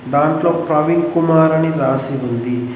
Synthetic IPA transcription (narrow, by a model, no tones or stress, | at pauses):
d̪aːɳʈlo̞ːpɾɐʋinkumaːɾɐniɾaːsiund̪i